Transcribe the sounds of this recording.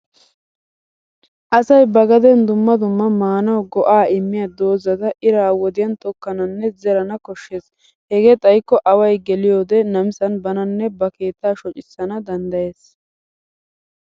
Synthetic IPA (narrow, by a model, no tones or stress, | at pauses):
ʔɐsɐjbɐɡɐd̪ɛnd̪ʊmːɐd̪ʊmːɐmaːnɐwɡɔʔaːɪmːɪjɐd̪o̞ːzɐd̪ɐʔɪɾaːwɔd̪ɪjɐnt̪ɔkːɐnɐnːɛzɛɾɐnɐkɔʃːeːs | hɛɡeːt̪ʼɐjkːɔʔɐwɐjɡɛlɪjo̞ːd̪ɛnɐmɪsɐnbɐnɐnːɛbɐke̞ːt̪ːaːʃɔt͡ʃʼɪsːɐnɐd̪ɐnd̪ɐje̞ːs